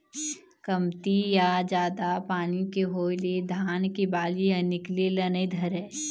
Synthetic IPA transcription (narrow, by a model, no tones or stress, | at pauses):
kɐmt̪ijad͡ʒaːd̪apaːnikeɦoːlied̪ʱaːnkibaːlijãnɪklilɐnid̪ʱɐɾɛː